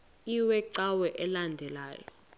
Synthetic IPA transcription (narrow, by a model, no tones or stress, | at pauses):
iwɛǀawɛʔɛlandʱɛla̰ːjɔ̰